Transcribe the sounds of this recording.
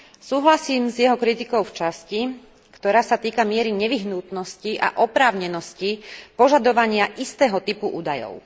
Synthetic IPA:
suːɦlasiːmzjɛɦɔkɾit̪ikɔʊft͡ʃasci | kt̪ɔɾaːsat̪iːkamɪɛɾiɲɛʋiɦnuːt̪nɔsciʔa̰ʔɔpɾaːʊɲɛnɔscipɔʒad̪ɔʋaɲɪaʔist̪ɛːɦɔt̪ipuʔṵːd̪ajɔ̰ʊ

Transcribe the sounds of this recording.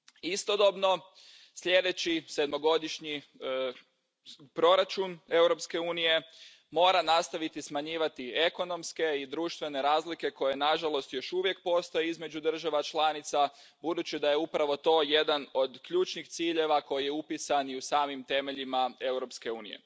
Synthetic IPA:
ist̪o̞d̪o̞bno̞ | sʎʲe̞d̪et͡ɕised̪mo̞ɡo̞d̪iʃɲi | pɾo̞ɾat͡ʃune̞wɾo̞pske̞uːnije̞ | mo̞ːɾanast̪aʋit̪ismaɲiːʋat̪ie̞ko̞no̞mske̞id̪ɾuːʃt̪ʋe̞ne̞ɾaːzlike̞ko̞je̞naʒalo̞st̪jo̞ʃuʋje̞k̚po̞st̪ojeizme̞d͡ʒud̪r̩ʒaʋat͡ʃlˠanit̪sa | bud̪ut͡ɕid̪aje̞upɾaʋo̞t̪o̞ːje̞d̪ano̞d̪kʎuːt͡ʃnixt̪siːʎeʋako̞jijeupisaniusaːmimt̪e̞me̞ʎimae̞wɾo̞pske̞uːnḭjḛ

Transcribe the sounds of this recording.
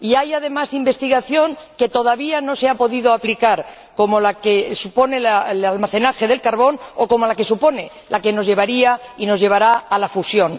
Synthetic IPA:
iajað̞e̞masimbe̞st̪iɣaθjo̞ŋke̞t̪o̞ð̞aβiano̞seapo̞ðiðo̞aplikaɾ | ko̞molakesupo̞ne̞laelalmaθe̞naxe̞ðe̞lkaɾβo̞nokomo̞lake̞supo̞ne̞ | lake̞no̞zʝe̞β̞aɾia | ino̞zʝe̞βaɾaːlafusjo̞ŋ

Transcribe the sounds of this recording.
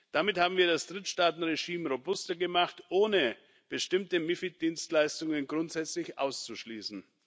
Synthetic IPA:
d̥amɪthaːbm̩viːɐdasd̥ʁɪtʃtaːtn̩ʁeʒiːmʁobʊstɐɡəmaχtʔoːnə | b̥əʃtɪmtəmɪfit̚d̥iːnstlaɪstʊŋənɡʁʊntz̥ɛt͡slɪçʔa̰ʊst͡suʃliːsn̩

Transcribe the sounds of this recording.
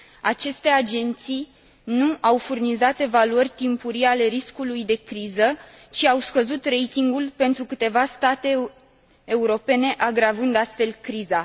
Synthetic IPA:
at͡ʃe̞st̪e̞ad͡ʒe̞nt̪sij | nuʔawfurnizat̪e̞valuərʲt̪impuɾiale̞ɾiskulujd̪e̞kɾizə | t͡ʃiawskəzut̪re̞jt̪iŋɡulpe̞nt̪ɾukɨt̪e̞vast̪at̪e̞ː | uɾo̞pe̞ne̞ʔaɡɾavɨnd̪ast̪fe̞lkɾiza

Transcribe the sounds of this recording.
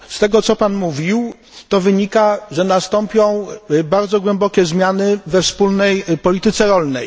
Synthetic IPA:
st̪ɛɡɔt̪sɔpanmuvʲiw | t̪ɔvɘɲikaʐɛnast̪ɔmpʲjɔ̃w̃baɾd̪zɔɡwɛmbɔkʲɛzmʲjanɘvɛfspulnɛjpɔlʲit̪ɘt̪sɛɾɔlnɛ̰j

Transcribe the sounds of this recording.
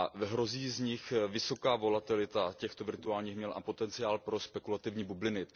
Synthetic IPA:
aɦɾo̞ziːzɲɪxvɪso̞kaːvo̞lat̪ɪlɪt̪acɛxt̪o̞vɪɾt̪uaːlɲiːxmɲɛlʔa̰po̞t̪ɛnt͡sɪaːlpɾo̞spɛkulat̪ɪvɲiːbublɪnɪ

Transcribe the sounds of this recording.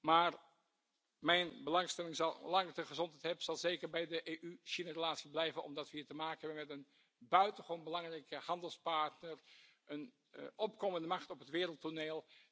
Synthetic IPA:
maːr | mɛjnbəlɑŋstɛlɪŋzɑlˠlɑŋtəχəzɔntɦɛjtɦɛbəz̥ɑlˠzejkəɹbɛjdəʔeːʔyʃinarəlaːtsiblɛjvənɔ̰mdɑtʋəɦiːɹtəmaːkənɦɛbənmɛtən | bœɥtənχəʋonbəlɑŋrɛjkəhɑndəlˠspɑɹtnər | ʔən | ɔpkoməndəmɑχtɔpɦətʋɪːɾəlˠtoneːlˠ

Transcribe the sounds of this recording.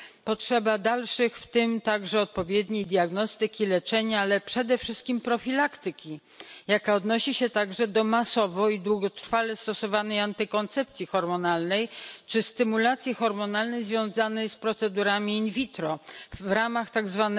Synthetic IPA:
pɔtʂɛbad̪alʂɘxft̪ɘmt̪aɡʐɛɔt̪̚pɔvʲjɛd̪ɲejd̪ʲjaɡnɔst̪ɘkʲilɛt͡ʂɛɲaalɛpʂɛd̪ɛfʂɘst̪̚kʲimpɾɔfʲilakt̪ɘkʲi | jakaɔd̪nɔɕiɕɛt̪aɡʐɛd̪ɔmasɔvɔid̪wuɡɔt̪ɾ̥falɛst̪ɔsɔvanɛjant̪ɘkɔnt̪sɛp̚t̪sʲjixɔɾmɔnalnɛjt͡ʂɘst̪ɘmulat̪sʲjixɔɾmɔnalnɛjzvʲjɔ̃w̃zanɛjspɾɔt̪sɛd̪uɾamʲiːnvʲit̪ɾɔvɾamaxt̪aɡzvan

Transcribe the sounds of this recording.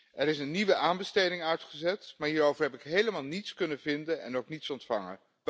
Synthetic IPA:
ɛɾɪsənːiʋəʔaːnbəstejdɪŋœɥtχəzɛtmaːɹɦiːɾowvəɹɦɛp̬ɪkɦejləmaːlˠnitskɵnəvɪndənɛ̰nowknitsɔntfɑ̰ŋə̰n

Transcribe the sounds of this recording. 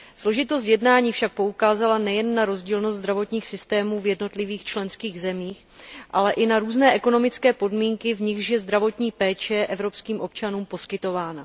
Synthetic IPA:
slo̞ʒɪt̪ost̪jɛdnaːɲiːfʃak̚po̞ukaːzalanɛjɛnːaɾo̞zɟiːlnost̪zd̪ɾavo̞t̪ɲiːxsɪst̪ɛːmuːvjɛdno̞t̪lɪviːxt͡ʃlɛnskiːɣzɛmiːx | ʔalɛʔɪnaɾuːznɛːʔɛko̞no̞mɪt͡skɛːpo̞dmiːŋkɪvɲɪxʃjɛzd̪ɾavo̞t̪ɲiːpɛːt͡ʃɛʔɛvɾo̞pskiːmʔo̞p̚t͡ʃanuːmpo̞skɪt̪o̞vaːna

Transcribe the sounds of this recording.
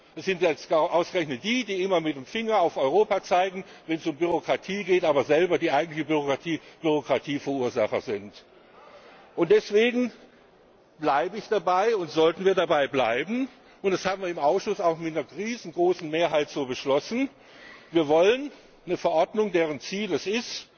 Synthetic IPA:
ɛsz̥ɪntjɛstaʔaʊsɡ̥əʁɛçnət̚d̥iːdiːʔɪmɐmɪt̚deːmfɪŋɐaʊfɔʏʁoːpat͡saɪɡŋ̩vɛnsʊmbyʁ̞okʁ̥atʰiːɡeːtʔaːbɐzɛlbɐdiːʔaɪɡŋ̩tlɪçəbyoiːb̥yʁokʁ̥atʰiːfɛɐʔuːɐzaχɐzɪnt | ʔʊntd̥ɛsv̥eːɡŋ̩ | b̥laɪbəɪçd̥abaɪʊntz̥ɔltn̩viːɐdabaɪbla̰ɪbm̩ | ʔʊntd̥ashaːbm̩viːɐɪmʔaʊsʃʊsaʊxmɪtnɐʁiːzn̩ɡʁoːsn̩meːɐɦaɪtz̥oːbəʃlɔsn̩ | viːɐvɔlənː | əfɛɐʔɔɐdnʊŋdeːʁ̞ənt͡siːlɛsɪst

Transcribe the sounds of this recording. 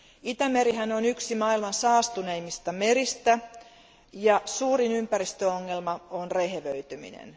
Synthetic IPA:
it̪æmeɾiɦænonyksimɑilmɑnsɑːst̪uneimːist̪ɑmeɾist̪æ | jɑsuːrinympæɾist̪øoŋːelmɑonreheʋøyt̪ymḭnḛn

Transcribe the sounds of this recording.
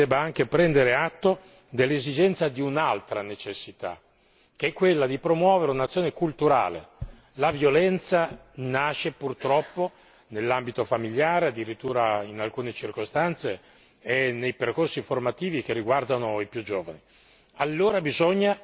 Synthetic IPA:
d̪ɛːbaaŋk̟epɾɛnd̪eɾeat̪ːo | d̪elːezid͡ʒɛnt̪sad̪iunalt̪ɾanet͡ʃesːit̪a̰ | k̟eɛkːwelːad̪ipɾomwɔːveɾeunat̪sjoːnekult̪uɾa̰ːlḛ | lavjolɛnt̪sanaːʃepurt̪ɾɔpːo | nelːambit̪ofamiʎjaːɾead̪ːiɾit̪ːuːɾainalkuːnet͡ʃirkost̪ant̪se | ɛnejperkorsiformat̪iːvik̟erːiɡward̪anoipjud͡ʒoːvani | alːoːɾabizoɲːa

